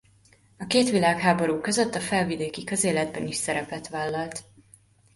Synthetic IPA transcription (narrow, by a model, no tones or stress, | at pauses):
ɒkeːt̪ʋilaːkhaːbo̞ɾuːkø̞zøt̪ːɒfɛlvid̪eːkikøzeːlɛd̪̚bɛniʃsɛɾɛpɛt̪ʋaːlːɒlt̪